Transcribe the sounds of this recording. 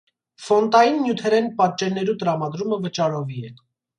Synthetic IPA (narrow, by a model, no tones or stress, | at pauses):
fɔnt̪ɑjinːjut̪ʰɛɾɛnpɑt̪̚t͡ʃɛɾnɛɾut̪əɾɑmɑd̪ɾuməvət͡ʃɑɾɔviɛ